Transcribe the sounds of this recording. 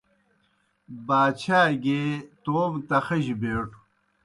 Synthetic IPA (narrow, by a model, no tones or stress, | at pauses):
baːt͡ɕʰaːɡeːt̪oːmt̪ɐxɐʑibeːʈʰu̥